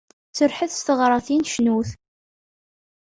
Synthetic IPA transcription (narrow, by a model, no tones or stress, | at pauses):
t͡səɾħəθst̪əʁɾˤɑθinʃnuθ